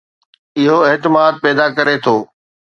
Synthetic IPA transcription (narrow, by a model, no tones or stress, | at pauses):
ɪɦoɪɦt̪ɪmaːd̪̚pɛːd̪akɐɾet̪ʰoː